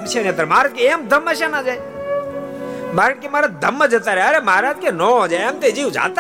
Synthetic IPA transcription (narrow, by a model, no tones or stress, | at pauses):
t͡ʃʰanet̪əɾmaːɾaːd͡ʒkeemd̪ʱəmːəʃanaːd͡ʒaːj | maːɾəʈ̚kemaːɾad̪əmːəd͡ʒət̪aːɾeəɾeməaɾaːd͡ʒkenoːd͡ʒaːjemt̪ed͡ʒiːũd͡ʒa̰ːt̪ː